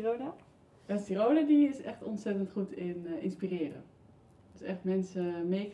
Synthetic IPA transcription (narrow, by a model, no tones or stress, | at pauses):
oda | ɛstirowlədiɪsɛχtɔnsɛtəntχutɪnɪnspirɪːrə̰ | d̥əsɛχtmɛnsəmeːk